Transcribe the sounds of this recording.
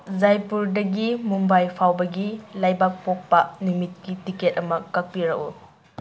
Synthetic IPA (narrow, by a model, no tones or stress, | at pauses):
zajpuɾdɐɡimumbajpʰawbɐɡilajbak̚pok̚pɐnumit̚kitiket̚ɐmɐkak̚piɾɐ̰ku